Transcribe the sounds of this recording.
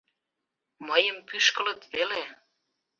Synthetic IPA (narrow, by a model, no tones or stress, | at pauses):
məjəmpyʃkələ̆t̪βele